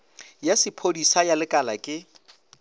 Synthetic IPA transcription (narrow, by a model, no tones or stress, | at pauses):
jasɪpʰodisajalɪkʼala̰kʼɪ